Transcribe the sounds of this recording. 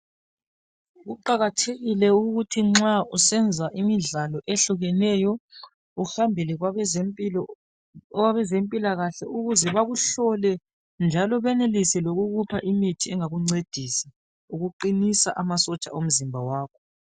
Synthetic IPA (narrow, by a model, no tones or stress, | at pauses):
ɣuǃaɣatʰeɣilɛuɣutʰiŋ͡ǁausɛnd͡zʱaʔimiɮalɔʔeɬuɣɛnɛjɔ | uxambʱilɛ | waβɛzempʼilaɣaɬɛuɣuzɛβaɣuɬɔlɛ | nd͡ʒʱalɔβɛnelisɛloɣuɣupʰaʔimitʰiɛŋaɣuŋ͡ǀed̥ʱisḁ | uɣuǃinisa̰ʔamasɔt͡ʃʼa̰om̩zimbʱawaːkʰɔ